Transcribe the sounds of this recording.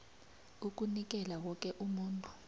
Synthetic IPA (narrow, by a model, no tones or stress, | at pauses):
uk̬unik̬ɛlawɔk̬ʼɛʔumuːntʼu̥